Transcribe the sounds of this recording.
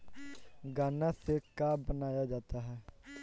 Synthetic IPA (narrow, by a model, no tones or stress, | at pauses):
ɡaːnãːsekaːbənaːjaːd͡ʒaːt̪aːɦɛː